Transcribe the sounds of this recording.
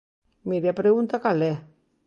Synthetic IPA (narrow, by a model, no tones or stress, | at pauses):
miɾjapɾeunt̪akale